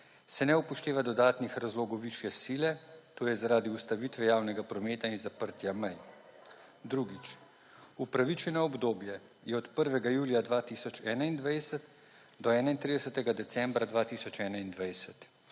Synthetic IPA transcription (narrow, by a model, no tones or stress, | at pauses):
sɛnɛupɔʃt̪eːʋad̪ɔd̪aːt̪nixɾazloɡɔwʋiʃjɛsiːlɛt̪oːjɛzaɾaːd̪iust̪aʋit̪ʋɛjaːwnɛɡapɾɔmeːt̪ainzapəɾt̪jamɛj | d̪ɾuɡit͡ʃ | upɾaʋit͡ʃɛnɔɔbd̪oːbjɛ | jɛɔt̪pəɾʋɛɡajuːlijad̪ʋaːt̪isɔt͡ʃɛːnaind̪ʋajsɛt̪ | d̪ɔɛːnaint̪ɾid̪ɛsət̪ɛɡad̪ɛsɛmbɾad̪ʋaːt̪iːsɔt͡ʃɛːnaind̪ʋajsɛt̪